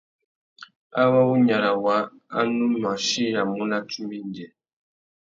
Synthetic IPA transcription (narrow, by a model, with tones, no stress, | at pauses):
a˦wa˦wu˦ɲa˨ɾa˨wa˨˦ | a˦nu˦ma˨ʃi˦ja˨mu˦la˦tu˦bi˦n˨dɛ˨